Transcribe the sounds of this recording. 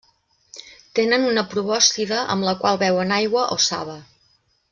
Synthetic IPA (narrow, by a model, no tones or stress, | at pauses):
t̪enənunəpɾuβɔst̪iðəʔə̰mləkwalˠβɛwənajɣwəʔosa̰βə